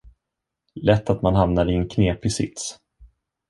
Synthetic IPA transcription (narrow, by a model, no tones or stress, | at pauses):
lɛt̪ʰːat̪manɦamnaɾɪɛnkʰneːpɪsɪ̰t̪s